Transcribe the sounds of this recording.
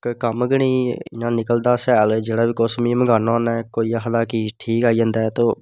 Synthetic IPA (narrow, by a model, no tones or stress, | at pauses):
kkəmɡəɳ̃iːnãːnɪkəld̪aːsɛːld͡ʒeːɽaːbiːkoːsmiːməɡaːnãːnɛːkoːiːaːɦəd̪aːkiːʈʰiːkaːid͡ʒãːnd̪aːt̪oː